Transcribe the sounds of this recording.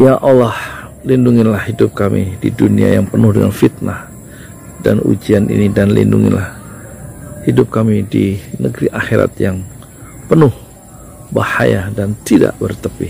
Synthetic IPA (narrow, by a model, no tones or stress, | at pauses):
jaʔalɑhlinduŋɪnlahhidʊp̚kamididunia̰jaŋpənʊhdəŋanfit̪̚nah | danṵd͡ʒianʔḭnidanlḭnduŋɪ̰nlʔah | hidʊp̚kamidinəɡɾiʔaxeɾa̰t̪̚jaŋ | pənʊh | bahajadant̪ida̰ʔbərt̪əpɪh